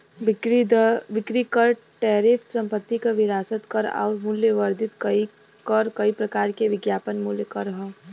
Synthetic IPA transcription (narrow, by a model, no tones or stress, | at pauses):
ɾd̪ʋɪkɾikɐɾ | ʈɛːɾɪfʰsɐ̃mpət̪ːikaʋɪɾaːsət̪kɐɾa̰ːɾmʊljəʋɐɾd̪ɪt̪kɐi | kɐɾkɐipɾɐkaːɾkeʋɪɡjaːpənmuljəkɐɾɐɦɛ